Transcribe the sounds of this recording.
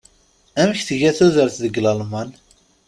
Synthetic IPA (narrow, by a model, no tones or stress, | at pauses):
æməçθəʝæθuðəɾθðəɡlɑlmɑn